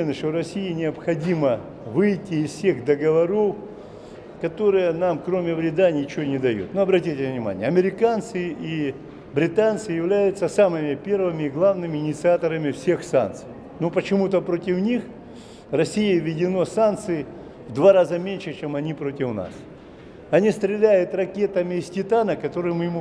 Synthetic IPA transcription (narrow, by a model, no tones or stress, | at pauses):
ɪnəʂt̪orɐsʲijɪnʲɪəpxɐdʲimə | vɨjtʲːɪːzfsʲeɣd̪əɡəvɐɾof | kɐt̪o̞ɾɨjənamkɾo̞mʲɪvɾʲɪd̪anʲɪt͡ɕɪonʲɪd̪ɐjṵt̪noɐbɾɐtʲitʲɪvnʲɪma̰nʲɪjəɐmʲɪɾʲɪkant̪sɨʔi | bɾʲɪt̪ant̪sɨjɪvlʲæjʊt̪səsamɨmʲɪpʲe̞rvɨmʲɪɪɡlˠavnɨmʲɪɪnʲɪt̪sɨat̪əɾəmʲɪfsʲe̞xsa̰nt̪sɨj | nopət͡ɕɪmut̪əpɾo̞tʲɪfnʲix | rɐsʲijɪvʲɪdʲɪno̞sant̪sɨɪ | vd̪vaɾazəmʲenʲʂɨt͡ɕemɐnʲipɾo̞tʲɪfna̰s | ɐnʲist̪ɾʲɪlʲæjʊt̪rɐkʲe̞t̪əmʲɪːsʲtʲɪt̪anəkɐt̪o̞ɾɨjmɨjɪmu